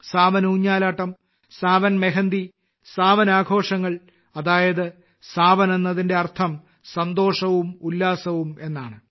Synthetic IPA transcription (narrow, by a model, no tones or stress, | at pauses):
saːʋɐnuːɲːaːlaːʈːɐm | saːʋɐnmeɦɐnd̪i | saːʋɐnaːɡʱo̞ːʂɐŋːɐɭ | ɐðaːjɐðɨ | saːʋɐne̞nːɐðinde̞ɐrt̪ʰɐm | sɐnd̪o̞ːʂɐʋumulːaːsɐʋume̞nːaːɳɨ